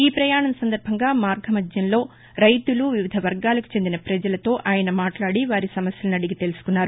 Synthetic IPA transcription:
iːpɾɐjaːɳɐmɐsɐnd̪ɐɾbʱɐŋɡaːmaːɾɡʱɐmɐd͡ʒ̪jɐnlo̞ː | ɾɐjt̪uluʋiʋid̪ʱɐʋɐɾɡaːlɐku̥t͡ʃend̪inɐpɾɐd͡ʒɐlɐt̪o̞ːʔaːjɐnɐmaːʈlaːɽiʋaːɾisɐmɐsjɐlunɐɽiɡit̪e̞lusu̥kunːaːɾu

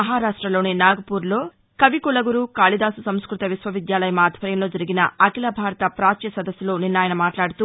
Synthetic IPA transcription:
ɐɦaːɾaːʂʈɾɐlo̞ːninaːɡɐpuːɾlo̞ː | kɐʋikulɐɡuɾukaːlid̪aːsusɐmskɾut̪ɐʋisʋɐʋid̪jaːlɐjɐmaːd̪ʱʋɐɾjɐmlo̞ːd͡ʒɐɾiɡinɐ̰ɐkilɐbʱaːɾɐt̪ɐpɾaːt͡ʃjɐsɐd̪ɐsːuloːninːaːjɐnɐmaːʈlaːɽut̪uː

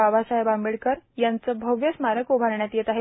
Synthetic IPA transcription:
aʋasaɦjbambiɭkəɾjant͡səbʱəʋjəsmaɾəkubʱaɾɳjat̪jet̪aɦe

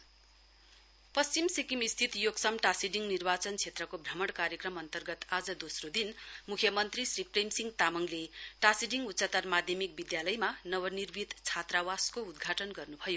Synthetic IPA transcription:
pʌst͡simsikimist̪ʰit̪joɡsʌmʈasiɖiŋɡnirbat͡sʌnt͡sʰet̪rʌkobʱrʌmʌɽkaɾjʌkrʌmʌnt̪ʌrɡʌt̪ad͡zʌd̪osrod̪inmukʰjʌmʌnt̪risriprejmsiŋt̪amʌŋleʈasiɖiŋɡutːt͡sat̪armad̪ʱjʌmik̚bid̪jalʌjmanʌβʌnirbʱit̪t͡sʰat̪rawaskoud̪ɡʱaʈʌnɡʌrnubʱʌjo

